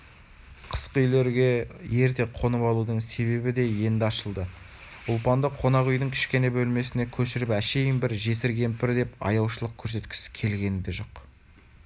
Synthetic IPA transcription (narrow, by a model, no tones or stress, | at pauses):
qʰə̥sqəʏjle̞ɾɡʲe̞je̞ɾt̪e̞qʰo̞nəpɑlˠud̪əɴse̞βe̞bɪd̪e̞je̞nd̪ɑʃəlˠd̪ə | ʊlˠpɑnd̪əqʰo̞nɑqʏjənɪŋkʲʰɪ̥ʃkʲe̞nebɵlme̞sɪne̞kʲʰɵʃɪɾɪpæʃe̞jɪnbɪɾʒe̞sɪɾɡʲe̞mpɪɾd̪e̞pɑ̰jɑwʃəlˠəq̚kʲʰɵɾs̬e̞t̪kʲʰɪ̥sɪ̥kʲʰe̞lɡʲe̞nɪd̪e̞ʒo̞q